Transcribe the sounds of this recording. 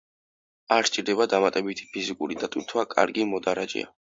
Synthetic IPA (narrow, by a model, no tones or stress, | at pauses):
aɾt͡ʃt͡ʃʼiɾd̪ɛbad̪amat̪ʼɛbit̪ʰi̥pʰizikʼuɾid̪at̪ʼut̪ʰwakʼa̰ɾɡimɔd̪aɾad͡ʒɛ̰a̰